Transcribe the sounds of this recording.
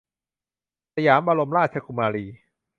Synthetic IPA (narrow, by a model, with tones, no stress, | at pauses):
sa˧jaː˩˦mʔa˧ɾo˧mɾaː˥˩t̚t͡ɕʰa˧kʰu˧maː˧ɾiː˧